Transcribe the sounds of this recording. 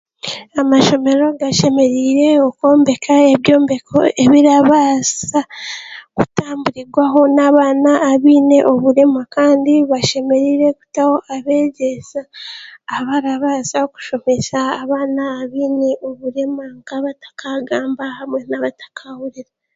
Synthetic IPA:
amaʃo̞me̞ɾo̞ɡaʃe̞me̞ɾiːɾe̞oko̞ːmbe̞kʰaeβjo̞ːmbekʰo̞̰e̞βiɾaβaːsa | kutaːmbuɾiɡwaɦo̞naːβaːnaːβiːne̞ʔo̞βuɾe̞makaːndiβaʃe̞me̞ɾiːɾe̞ku̥taho̞ʔaβe̞ːɟe̞saː | βaɾaβaːsaku̥ʃo̞me̞ʃaːβaːnaːβiːne̞ʔo̞βuɾe̞maŋkaβatḁkʰaɡaːmbahamwe̞naβatḁkʰahuɾiɾa

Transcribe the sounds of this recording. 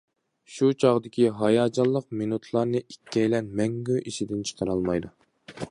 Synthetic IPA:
ʃut͡ʃʰɑʁd̪ɪkʲʰiɦɑjɑːd͡ʒɑlˠːəq̚minut̪ʰlˠɑɾnɨʔikʲʰːɛjlɛnmɛŋɡʲyʔiʃid̪ɪnt͡ʃʰə̥qʰəɾɑlˠmɑjd̪u

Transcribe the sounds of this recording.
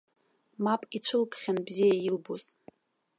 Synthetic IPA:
mapʼit͡ɕʷʰɨlkʼχʲanbzijajilboz

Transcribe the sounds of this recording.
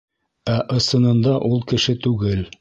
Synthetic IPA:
æʔɤ̆sɤ̆nɤ̆nd̪ɑʔulˠkɘ̆ʃɘt̪ʉɡɘl

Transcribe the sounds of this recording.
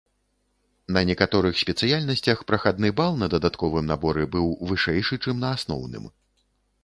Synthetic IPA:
nɐnʲɛkat̪ɔɾɨxsʲpʲɛt̪sɨjalʲnɐsʲt͡sʲɐxpɾɐxad̪̚nɨbalˠnɐd̪ɐd̪at̪kɔvɨmnabɔɾɛbɨwvɨʂɛjʂɨt͡ʂɨmnɐasnɔ̰wnɨ̰m

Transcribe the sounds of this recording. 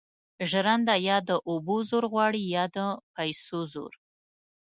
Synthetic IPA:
ʒɾand̪ajɑd̪əʔobozoɾɣwɑɽijɑd̪əpajsozo̰ɾ

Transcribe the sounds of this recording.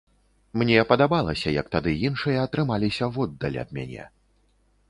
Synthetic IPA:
mnʲɛpɐd̪abalˠɐsʲɐjɐk̚t̪ad̪ɨjinʂɨjɐːt̪ɾɨmalʲisʲɐvɔd̪ːɐlʲɐ̰d̪̚mʲa̰nʲɛ̰

